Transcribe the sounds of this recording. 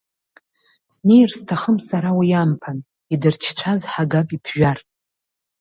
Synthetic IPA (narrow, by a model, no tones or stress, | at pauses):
sne̞jrstʰaχəmsaɾawajampʰan | idɨrt͡ʃʰt͡ʃʷʰazħaɡapʼipʰʒʷᶣar